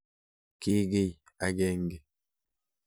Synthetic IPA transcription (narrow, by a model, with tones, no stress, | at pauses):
ki˦ɡi˦˨j | a˨ɡe˨ŋɡi˨